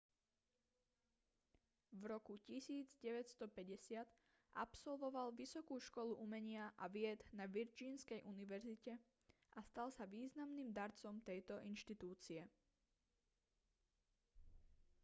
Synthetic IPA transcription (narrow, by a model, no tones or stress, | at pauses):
vɾɔkucisiːd͡zɟɛʋɛcst̪ɔpɛɟɛsɪat̪ | ʔa̰psɔlʋɔʋalʋisɔkuːʃkɔluʔumɛɲɪaʔaʋɪɛd̪naʋiɾd͡ʒiːnskɛjʔuniʋɛɾzicɛ | ʔast̪alsaʋiːznamniːmd̪aɾt͡sɔmt̪ɛjt̪ɔʔinʃt̪it̪uːt͡siɛ